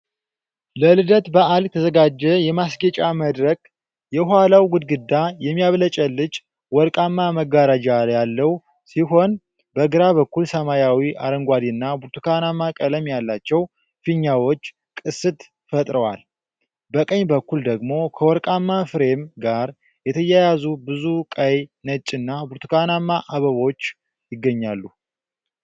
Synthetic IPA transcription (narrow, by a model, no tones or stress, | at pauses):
ləlɨd̪ət̪bəʔaljɛt̪ʰəzəɡad͡ʒːɛjɛmasɡət͡ʃʼaməd̪ɾək̚ | jɛɦʊalawɡʊd̪ɡɨd̪ːajɛmːijaβlət͡ʃʼəlːɨt͡ʃʼ | wɔɾkʼamːaməɡaɾad͡ʒajalːəw | siɦo̞n | bəɡɨɾaβəkːulsəmajawiʔa̰ɾəŋɡʷad̪iɨnːabuɾt̪ʰu̥kʰanamːakʼələmjalːat͡ʃːɛw | fiɲːawot͡ʃː | kʼɨsɨt̪ | fət̪ʼɾəwa̰l | bəkʼəɲbəkːuld̪əɡmo̞kʰəwɔɾkʼamːafɨɾe̞mɡaɾ | jɛt̪ʰəjajazubɨzukʼəjnət͡ʃʼɨnːabuɾt̪ʰu̥kʰanamːaʔaβəβo̞t͡ʃː | jɪɡːəɲːalːu